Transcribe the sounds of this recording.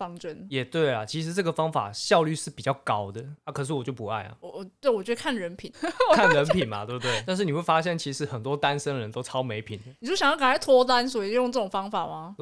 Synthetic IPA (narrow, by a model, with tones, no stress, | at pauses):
fɑ˥˩ŋʈ͡ʂə˦˥njɛ˨˩t̪we˥˩ɪlɐ˩t͡ɕʰi˧˥ʂ̬ɻ̩˧˥ʈ͡ʂɤ˥˩ɡə˩fɑ˥ŋfa̰˨˩ɕjɑ˥˧ʊly˥˧ʂɻ̩˥˩pi˨˩t͡ɕjɑ˥˩ʊkɑ˦˥ʊd̪ə˨na˥˩kʰɤ˨˩ʂ̬ɻ̩˥˩wɔ˨˩t͡ɕjo˥˩ʊpu˧˦a̰˥˩ɪlɐ̰˨˩˨t̪we˥˩ɪwɔ˨˩t͡ɕɥɛ˧d̪ə˧kʰa˥˩nɻə˧˥npʰi˨˩nkʰa˥˩nɻə˧˥npʰi˨˩nmɐ̰˨˦we˥˩bt̪we˥˩ɪt̪nʂ̬ɻ̩˥˩ni˨˩we˥˩fa˥ɕjɛ˥˩nt͡ɕʰi˧˥ʂɻ̩˧˥xə˨˩nt̪wɔ˦t̪a˦˥nʂə˧˥ŋd̪ə˨˩ə˧˦nt̪o˥ʊʈ͡ʂʰɑ˥ʊme˧˥ɪpʰi˨˩nd̪ə˦˨˧u˥˩ɕjɑ˨˩jka˨˩n˥t̪ʰwɔ˥t̪a˦nswɔ˧˥i˨o˥˧jo˥˧ŋʈ͡ʂɤ˥˩o˨˩ŋfɑ˥ŋfa˨˩ma˨˩